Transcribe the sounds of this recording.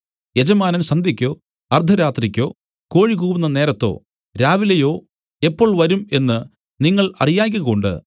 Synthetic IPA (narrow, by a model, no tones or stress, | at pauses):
je̞d͡ʑɐmaːnɐmɕɐnd̪ʱikʲːo̞ː | ɐrd̪ʱɐɾaːt̪rikʲːo̞̰ː | ko̞ːɻikuːʋunːɐne̞ːɾɐt̪ːo̞̰ː | ɾaːʋilɐjo̞ː | e̞pːo̞ːɭʋɐɾume̞nːɨ | niŋːɐɭɐ̰rijaːk̬ʲːɨɣɐoɳɖɨ̰